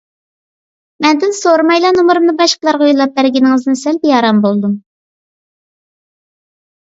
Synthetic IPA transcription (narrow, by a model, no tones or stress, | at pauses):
mɛnd̪ɪnsoɾmɑjlˠɑnomɨɾumnɨbɑʃqəlˠɑɾʁujulˠɑp̚bæɾɡʲinɪŋɨznsɛlbjɑːɾɑmbolˠd̪um